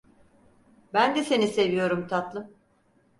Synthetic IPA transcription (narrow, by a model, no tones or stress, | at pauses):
bænd̪ɛse̞nise̞vijo̞ɾumt̪ʰat̪lˠɯ